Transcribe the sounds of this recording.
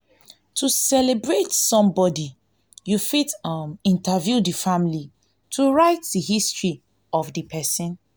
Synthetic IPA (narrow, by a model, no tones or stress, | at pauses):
tʰusɛlebɹetsɔ̃mbɔdi | jufitamĩntavjudifamili | tʰuɹaɪt̚diɦistɹi | ɔfdipʰɛsĩn